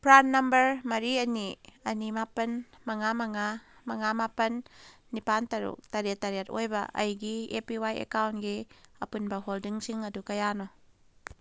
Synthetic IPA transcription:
pɾanːɐmbəɾmɐɾiɐniɐnimapɐn | mɐŋamɐŋamɐŋamapɐnː | ipantɐɾṵk̚tɐɾiet̪ːaɾiatojbɐ̰ʔɐ̰jɡiepiwajḛkawnɡiɐpunbɐɦoldiŋsiŋɐdukɐjanɔ

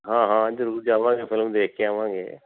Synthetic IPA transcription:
ɦãːɦãːd͡ʒɾuːd͡ʒaːʋãːŋɡeːfʰɪlmd̪eːkʰeaːʋãːŋɡḛː

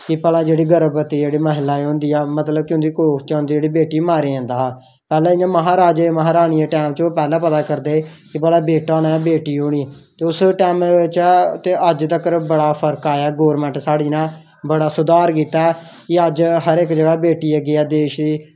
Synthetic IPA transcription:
kɪpəlãːd͡ʒeːɽiːɡəɾbət̪iːd͡ʒeːɽiːməɦɪlːaːõːnd̪iːɛːmət̪ləb̚kɪʊ̃nd̪iːkoːkʰt͡ʃaːnd̪iːd͡ʒeːɽiːbeːʈiːmaːɾiːãːnd̪aː | pɛːlãːɪjãːməɦãːɾaːd͡ʒeməɦaːɾaːɽ̃ijeːʈɛːmt͡ʃːpɛːlãːpət̪aːkəɾd̪eːkɪpəlãːbeːʈaːɽaːbeːʈiːɦoːɽ̃iːt̪eːʊsʈɛːmt͡ʃt̪eːəd͡ʒt̪əkəɾbəɽaːpʰəɾkaːaːɡoːɾmɛ̃ɳʈsaːɽiːnãː | bəɽaːsʊd̪aːɾkiːt̪aɛ | kɪəd͡ʒɦəɾɪkd͡ʒəɡaːbeːʈiːəɡɪɛːd̪eːʃd̪iː

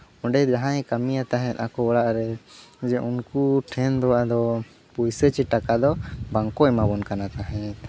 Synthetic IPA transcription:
ɔ̃ɖɛd͡ʒaɦãɛ̃kamijat̪aɦɛ̃t̪ˀakɔɛɽaʔɾɛd͡ʒɛʔunkuʈʰɛnd̪ɔwaʔd̪ɔ | pujsət͡ʃiʈakad̪ɔbaŋkɔɛmabɔnkanat̪aɦɛ̃t̪̚

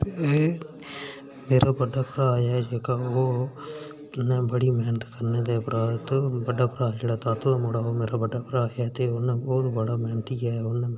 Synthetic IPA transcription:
meːɾabɐɖapɪɾaːjad͡ʒekao | nẽbəɽimɛnt̪kɐɾned̪epɾat̪obɐɖːapɾad͡ʒɪɽat̪aːt̪oamoɽaomeːɾabɐɖːapɪɾaːjat̪eoneoːɾbɐɽamɛːnt̪ijaːonẽ

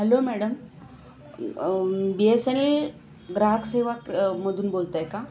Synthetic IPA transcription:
ɦelomæɽəm | biesenel | ɡɾaɦəkseʋakməd̪ʱuːnbolt̪ajeka

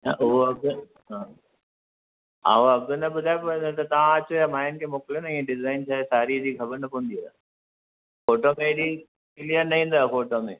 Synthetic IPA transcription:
ɐ̰ʔʊɦoɐɡ | ɦãː | a̰oɐɡənɐbʊd̪ʱaːjpɐot̪ɐt̪ɐʋãɐt͡ɕojamaːjɪnkʰeːmoːkɪljonɐĩẽɖɪzaːɪnt͡ɕʰaːɦesaːɾid͡ʑiːkʰɐbəɾnɐpɐʋ̃nd̪ia̰ | foːʈoːmẽɽi | kɪlijəɾnɐɦĩːn̆d̪aːfoːʈoːmeː

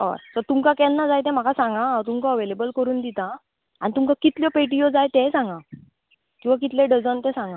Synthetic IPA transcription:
ɔ̰ɾt̪əɾt̪ũmkakɛ̃nːad͡zajt̪ɛ̃m̤akasãŋɡããt̪ũmkaəʋelebəlkəɾuːnd̪it̪ã | anit̪umkãkit̪ljɔpeʈ̬ijod͡zajt̪ɛ̃sãŋɡã | kĩw̃ʋak̬it̪lẽɖəd͡zənt̪ɛ̃sãŋɡã

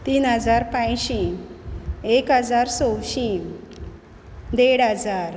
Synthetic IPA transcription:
t̪iːnɦəd͡zaɾpãjɕi | ekɦəd͡zaɾsowɕi | d̪eɽəd͡zaɾ

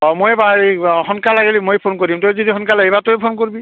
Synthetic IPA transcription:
ɔmojbaeɦɔnkalaɡelimojpʰonkoɹdimtozodiɦɔnkalaejbatojpʰonkoɹibi

